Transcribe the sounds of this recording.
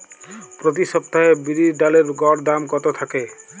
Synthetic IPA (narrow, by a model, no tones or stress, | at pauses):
pɾɔt̪̬isʌp̚t̪aebiɾiɖaleɾɡɔɽd̪amkɔt̪ot̪ʰake